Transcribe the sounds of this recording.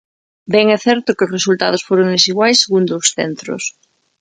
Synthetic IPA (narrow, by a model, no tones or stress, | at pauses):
bɛŋɛθɛɾt̪ʊkɪʊsresult̪að̞osfoɾoŋd̪esiɣwajsːeɣund̪ʊːsθɛ̰nt̪ɾʊ̰s